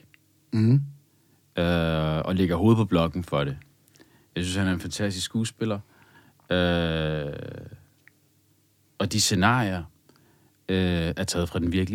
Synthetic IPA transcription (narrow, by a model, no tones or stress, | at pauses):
øɒ̽le̝ɡ̥ɐɦo̝ːð̞̩ˠpʰɒ̽b̥lɒ̽ɡ̥n̩fɒ̽ɾ̥e̝ | jɑ̈ɪsynshænæɐe̝nfænt͡sʰæsd̥isksɡ̥uːsb̥e̝lɐ | ø | ɒ̽d̥ise̝nɑ̰̈ːiɐ | øæɐt͡sʰɛ̰ːð̩ˠfʁɑ̈d̥enʋiɐɡ̥li